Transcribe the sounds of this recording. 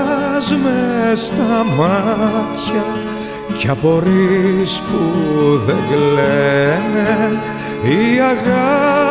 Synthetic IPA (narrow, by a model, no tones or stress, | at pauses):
zumest̪ɐmɐt̪çɐ | cɐpo̞ɾispuðeŋɡlene | iɐɣɐ